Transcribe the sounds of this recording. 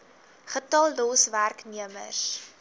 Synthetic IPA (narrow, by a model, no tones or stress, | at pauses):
χətɐlˠdɔsværkniəmə̰s